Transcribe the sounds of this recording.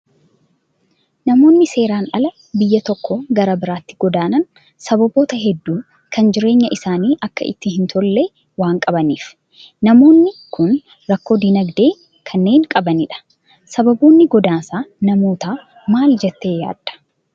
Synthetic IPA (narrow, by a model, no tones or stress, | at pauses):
nɐmo̞ːnːɪse̞ːɾaːnɐ̰lɐ | bɪjːɐt̪ɔkːɔɡɐɾɐbɪɾaːt̪ːɪ̥ɡɔd̪aːnɐn | sɐbɐbo̞ːt̪ɐɦɛd̪ːuː | kʰɐnd͡ʒɪɾe̞ːɲːɐʔɪsaːniːʔɐkːɐ̰ʔɪ̰t̪ːɪhɪnt̪ʰɔlːeː | waːŋkʼɐbɐniːf | nɐmo̞ːnːɪkʰʊn | ɾɐkːo̞ːd̪inɐɡd̪e̞ː | kʰɐnːe̞ːŋkʼɐbɐnɪᶑɐ̥ | sɐbɐboːnːɪɡɔd̪aːsaːnɐmo̞ːt̪aː | maːld͡ʒɛt̪ːe̞ːja̰ːd̪̥ːɐ̥